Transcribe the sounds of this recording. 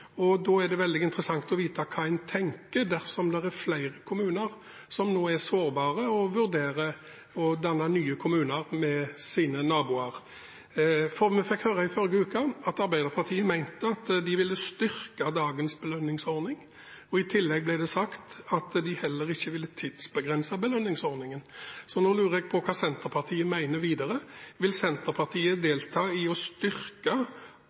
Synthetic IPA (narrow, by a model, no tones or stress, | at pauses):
ɔd̪ɔːæd̪ɛʋɛld̪ɪɪnt̪əɾəsɑŋt̪ɔʋiːt̪ɑkʰɑːæɪnt̪ʰɛŋkəd̪æɾsɔmd̪ɛʁæɾflæɪɾəkʰʊmʉːnəʁ | sɔmnoːæɾsoːɾbɑːʁəɔʋʉɾd̪eːɾə | ɔd̪ɑnːɑnyːəkʰʊmʉːnəɾmɛsiːnənɑːbuːɑɾ | fɔɾmɛfɛkhøːɾɑɪfɔɾɡəʉːkɑɑt̪ɑɾbæɪd̪əɾpʰɑt̪ʰiːənmæɪnt̪əɑt̪d̪ɪʋɪlːəst̪ʏɾkɑd̪ɑːɡənsbəlœnːɪŋsɔɾnɪŋ | ɔɪt̪ʰɪlːɛɡ̚blæɪd̪ɛsɑkt̪ɑt̪d̪ɪhɛlːəɾɪçːəʋɪlːət̪ʰɪd̪̥sbəɡʁɛnsɑbəlœnːɪŋsɔɾnɪŋənsɔnoːlʉːɾəɛɡ̚pʰɔkʰɑːsɛnt̪əʁpʰɑʁt̪ʰiːəmæɪnəʋiːd̪ɑɾəʋɪlsɛnt̪əʁpʰɑʁt̪ʰiːəd̪eːlt̪ʰɑːɪɔst̪ʏɾkɑ